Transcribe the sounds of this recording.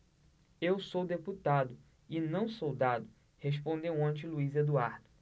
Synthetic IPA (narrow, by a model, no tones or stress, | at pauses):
ewsowd̪eput̪ad̪ʊ | ɪnɐ̃w̃sowd̪ad̪ʊ | hespõnd̪ewɐ̃t͡ʃɪluized̪uaɾd̪ʊ